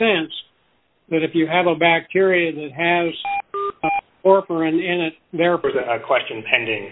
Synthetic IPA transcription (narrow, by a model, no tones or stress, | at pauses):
sɛ̃ns | ðɨɾɨfjɨːvəbæk̚tʰɪɹiɨd̪̚ðɨt̚ɦɨz̥ | ɔɹfə˞ɨ̃nɪ̃nɨt̪̚ðɛɹɹðɨɨkʰw̥ɛst͡ʃɨ̃npʰɛ̃ndɪ̃ŋ